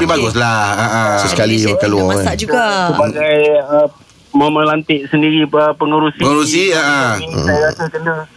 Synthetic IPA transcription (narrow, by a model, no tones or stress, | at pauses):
pibaɡʊslahaʔə̃səsəkalibəkaluaaad͡ʒuɡasəbaɡajə | mamə̃lant̪ɪʔsəndiɾiəpəŋəɾusiəŋəɾus̬iəʔəɾasakəndə